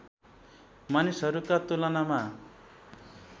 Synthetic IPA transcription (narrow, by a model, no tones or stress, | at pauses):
manisɦʌɾukat̪ulʌnama